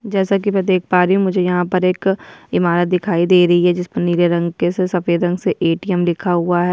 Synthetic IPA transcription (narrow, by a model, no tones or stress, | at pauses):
d͡ʒɛːsak̬imɛ̃d̪eːkʰpaːɾɛɦũmʊd͡ʒʱejɐɦãpɐɾeːkɪmaːɾət̪̚d̪ɪkʰaːid̪eːɾɐɦiɦɛd͡ʒɪspɐɾniːɾjəɾɐ̃ŋɡkesesɐfeːd̪ɐ̃ŋɡseʔeːʈiɛmlɪkʰaɦʊaɦɛː